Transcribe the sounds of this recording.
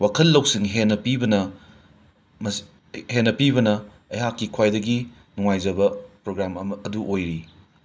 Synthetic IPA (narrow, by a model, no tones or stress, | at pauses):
wakʰɐlːɐwsiŋɦenːɐpibɐnɐ | mɐ | henːɐpibɐnɐ | ɐjɦakːikʰwajdɐɡi | nuŋajzɐbɐpɾoɡɾamɐmɐːduʔojɾi